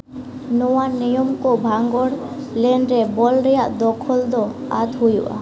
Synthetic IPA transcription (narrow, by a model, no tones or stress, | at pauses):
nɔwanɔjɔmkɔbʱaŋɡɔɽ | lɛɳɖɾɛbɔlɾɛjaʔd̪ɔkʰɔld̪ɔat̪ɦujṵʔa̰